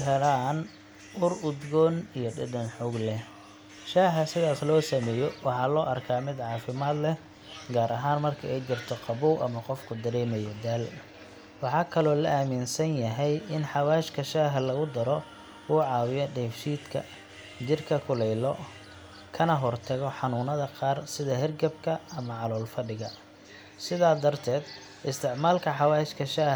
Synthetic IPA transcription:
ɦɛlaːn | ʔʊrʊd̪ɡɔːnijɔɖɪd̪ɐnħʊːɡlɛ | ʃaːɦɐsɪðaːslɔːsɐmɛːjɔwɑħɑːlɔːʔɐrkʰaːmɪd̪ʕɑːfɪmaːd̪lɛ | ɡaːɾʔɐɦaːnmɐrkʰɐɛjt͡ʃɪrt̪ʰɔqɑβuwʔɐmɐqɔfkʰʊd̪ɐɾɛːmɛjɔd̪al | wɑħɑːkʰɐlɔːlɐʔaːmɪnsɐnjɐɦɛjɪnħɑwaːɪʃkʰɐʃaːɦɐlɐɣʊd̪ɐɾɔ | uːʕɑːwɪjɔɖɛfʃiːd̪kʰɐ̰ | t͡ʃɪrkʰɐkʰʊlɛjlɔ | kʰɐnɐɦɔrt̪ʰɐɣɔħɑnuːnɐðɐqɑːrsɪðɐɦɛrɡɐbkʰɐɐmɐʕɑlɔːlfɐɖɪɣɐ | sɪðaːd̪ɐrt̪ʰɛːd̪ | ɪst̪ʰɪʕmaːlkʰɐħɑwaːɪʃkʰɐʃaː

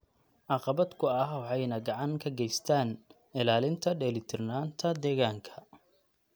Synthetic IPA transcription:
ʕɑqɑβɐd̪kʰʊɐɦwɑħɑjnɐɡɑʕɑŋkʰɐɡɛjst̪ʰaːn | ɪlaːlɪnt̪ʰɐɖɛlɪt̪ʰɪrnaːnt̪ʰɐd̪ɛːɣaːŋkʰɐ̥

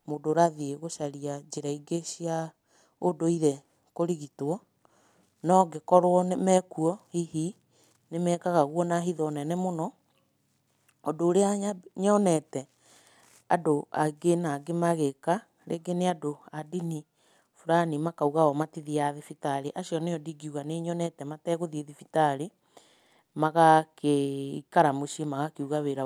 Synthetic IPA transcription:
modoɾaðieɣoʃaɾiad͡ʒeɾaiɡeɕia | odoiɾɛ | koɾiɣitwɔ | nɔɡekɔɾwɔnmɛkuɔhihi | nemɛːkaɣaɣwɔnaɦiðɔnɛnɛmonɔ | doːɾeaɲɔnɛtɛ | adoa̰ɡenaɡemaɣeka | ɾʔḛɡeneadoadini | fuɾanimakauɣaɔmatiðiaðefitaɾeʔaɕjɔneɔdiɡiuɣaneɲɔnɛtɛmatɛːɣoðieðifitaɾi | maɣakeikaɾamoʃiemaɣakeuɣaweɾa

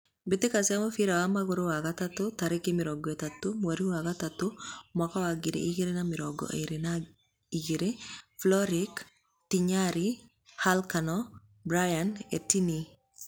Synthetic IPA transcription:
bɪt̪ɪkasamafiɾawamaɡʊɾowakat̪at̪ʊt̪aɾɪkɪmɪɾɔɡet̪at̪ːʊmwaɾiwakat̪at̪ːʊmakɔwaɡɪɾḛʔiɡeɾenamɪɾɔɡɔ̰ʔḛɾena | iɡiɾeflɔɾɪk | tiɲaɾi | halkanɔ | bɾajanḛtini

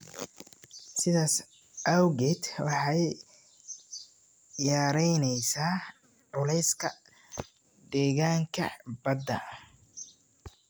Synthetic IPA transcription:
sɪðaːs | ʔɐwɣɛt̪wɑħɑj | jaːɾɛjnɛjsaː | ʕʊlɛjskʰɐ̰ | d̪ɛːɣaːŋkʰɐ̰bɐd̪ɐ̰

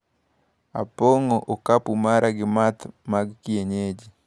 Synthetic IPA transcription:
a̰poŋoʔokapumaɾʔaɡɪmat̪maɡkieɲed͡ʒi

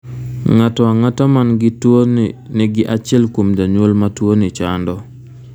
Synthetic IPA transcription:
ŋatɔaŋatamanɡɪtoniɡɪʔat͡ʃɪɛlkwomd͡ʒaɲwolmatwonit͡ʃandɔ

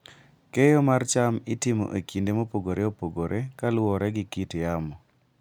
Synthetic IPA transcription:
kejomart͡ʃamɪtɪmo̰ʔekʰindemopoɡoɾeopoɡoɾʔekalwɔɾɛɡɪkitjamɔ

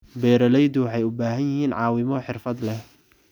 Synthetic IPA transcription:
bɛːɾɐlɛjd̪ʊwɑħɑjʊbaːɦɐnjɐɦiːnʕɑːwɪmɔħɪrfɐd̪lɛh

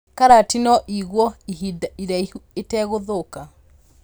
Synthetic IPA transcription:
kaɾatinɔʔiɣwɔiɦidaiɾaiuetɛːɣoðoka

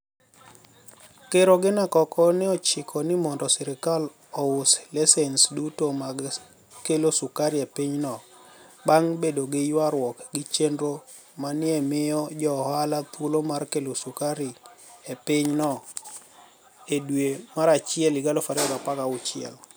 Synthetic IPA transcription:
keɾoɡɪnakɔkɔnɪɔt͡ʃɪkʰɔnɪmɔndɔsɛɾɪkal | ɔʊslesɛnsdutomaɡ | kelosukaɾiepɪɲnɔbaŋbedoɡɪjwaɾwɔkɡɪt͡ʃendɾo | manɪɛmɪɔd͡ʒɔhalat̪wulomarkelosukaɾiepɪɲnɔ | edwemaɾat͡ʃɪɛlɪɡalofaɾɛbapakaʊt͡ʃɪɛ̰l

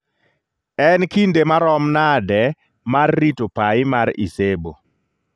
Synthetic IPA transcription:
ɛnkindemaɾɔmnadɛ | marːitopaɪmaɾḭsebo

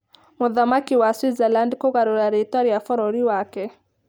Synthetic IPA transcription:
muðamakiwaswizɛlandkɔɣaɾoɾaɾitɔɾiafɔɾɔɾiwakɛ

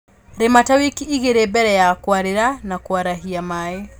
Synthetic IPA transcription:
ɾematawikiiɣeɾebɛɾɛjakwaɾeɾanakwaɾaɦiamae

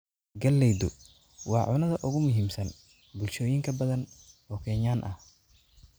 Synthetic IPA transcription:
ɡɐlːɛjd̪ʊ | wɑ̰ːʕʊnɐðɐʔʊɣʊmʊɦiːmsɐn | bʊlʃɔːjɪŋkʰɐbɐðɐnɔːkʰɛːɲaːnʔɐ̰h

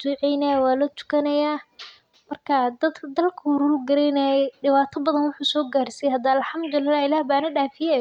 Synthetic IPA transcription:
d̪ʊʕɛjnɐwaːlɔːt̪ʰʊ̥kʰɐnɐjaː | mɐrkʰɐd̪ɐd̪kʰɐd̪ɐlkʰɐʊɾuːɡɐɾɛjnɐjɖɪβaːt̪ʰɐbɐðɐnwʊħuːsɔːɡaːrsijɛhɐd̪aːalħɐmd̪ʊlɪlːaːhɪlaːhbaːnɐɖaːfɪjɛ

